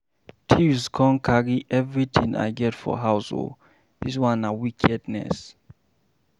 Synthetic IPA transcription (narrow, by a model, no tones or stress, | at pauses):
tʰiskʰɔ̃nkʰaɹiʔɛvɹit̪ĩŋa̰ɪɡɛtfɔ̰ɦaʊso̰l | ðizwãnawikʰɛdnɛ̰s